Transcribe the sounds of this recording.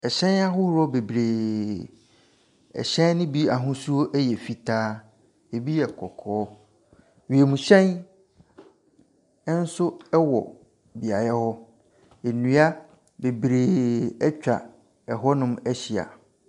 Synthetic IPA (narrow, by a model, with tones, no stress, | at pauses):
ɛ˨ɕɛ̃˦na˦ɦʊ˦hɔ˦be˨bɾeː˨ | ɛ̰˨ɕɛ̃˦n˦nʊ̃˦bi˦a˨ɦʊ̃˦su˦o˦ʔɛ˦jɛ˨fi˨tʰaː˦ | e˨bi˦ɛ˨kʰɔ˨kʰɔː˨˦ | ɥi˨e˨mũ˨ɕɛ̃˦n˦ | n̩˦sʊ˦ɛ˦wɔ̰˨ | bi˨a˨jɛ˦hɔ˦ | e˨nũ˦a˦ | be˨bɾeː˨ɛ˦t͡ɕᶣa̰˨ | ɛ˨ɦɔ˦nʊ̃˦mɛ˦ɕi˨a̰˨